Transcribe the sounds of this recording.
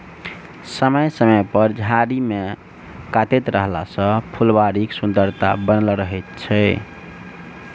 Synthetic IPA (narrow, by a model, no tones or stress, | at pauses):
səməjsəməjpəɾd͡ʒʱaɾime | kat̪et̪ɾəɦla̰sə̃pʰulbaɾiksund̪əɾt̪a̰bənəlɾəɦɛt̪̚t͡ʃʰɛ